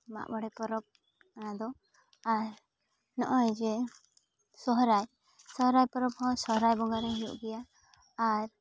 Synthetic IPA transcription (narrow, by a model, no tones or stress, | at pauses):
ma̰ʔbɔɽɛpɔɾɔp̚ | anad̪ɔ | aɾ | nɔʔɔjd͡ʒɛ | sɔɦɾaj | sɔɦɾajpɔɾɔphɔ̃sɔɦɾajbɔŋɡaɾɛɦijṵʔɡɛjaː | ɾ